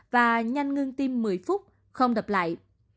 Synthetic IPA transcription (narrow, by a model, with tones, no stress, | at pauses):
vaː˨˩ɲa˧jŋŋɨ˧əŋt̪i˧mːɨ˨˩əjfʊ˦˥t̚ | xə˧wŋ͡mɗə˨˩p̚la̰ː˧˨jʔ